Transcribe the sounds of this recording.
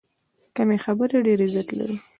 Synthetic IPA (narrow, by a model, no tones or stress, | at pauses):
kamexabəɾeɖeɾezjat̪la̰ɾi